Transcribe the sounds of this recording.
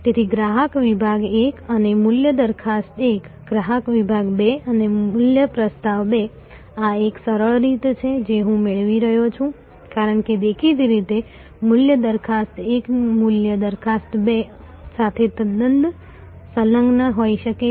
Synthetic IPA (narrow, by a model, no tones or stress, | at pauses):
t̪et̪ʰiɡɾaɦəkʋibʱaɡekənemʊljəd̪əɾkʰast̪ek | ɡɾaɦəkʋibʱaɡbeəneʊljəpɾəst̪aʋbe | aeksəɾəɭɾit̪t͡ʃʰed͡ʒeɦũmɪɭʋiɾəɦjot͡ʃʰũ | kaɾəɳked̪ekʰid̪ɾit̪e | mʊljəd̪əɾkʰast̪ekmʊljəd̪əɾkʰast̪be | sat̪ʰet̪əd̪ənd̪ | sələ̃ŋɡnəɦoiʃəke